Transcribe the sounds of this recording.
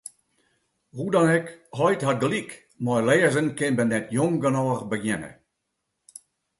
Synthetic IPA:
hudɑnɛkɦɔjtɦat̚ɡəlik | mɔjlɛːəzənkɪnbənːɛtjɔŋɡənɔːrbəɡjɛnə̰

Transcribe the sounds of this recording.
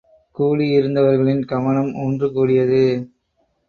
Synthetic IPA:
kuːɭiɪɾɯnd̪ɐʋɐɾɣɐɭɪnkɐʋɐɳɐmoːndrɯkuːɽɪjɐðɯ

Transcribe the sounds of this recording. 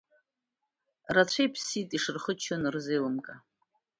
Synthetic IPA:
rat͡ɕʷʰejpʰsitʼiʂɨrχət͡ʃʰonɨrzejlɨmkʼa

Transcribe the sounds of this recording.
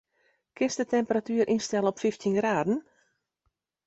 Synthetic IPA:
kɪnsdətɛmpəratyːərʔinstɛlˠəɔpfiftʰinɡraːdən̩

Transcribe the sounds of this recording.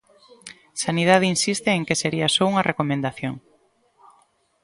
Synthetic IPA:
saniðað̞einsist̪eeŋkeseɾiɐsɔuŋɐrekomẽnd̪aθjoŋ

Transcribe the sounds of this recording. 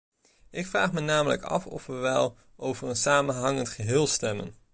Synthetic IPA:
ʔɪkfraːχmənaːmələ̰kɑ̰fɔ̰fʋəʋɛlˠ | ʔowvərənsaːmənɦɑŋəntχəɦɪːlˠstɛmə̰n

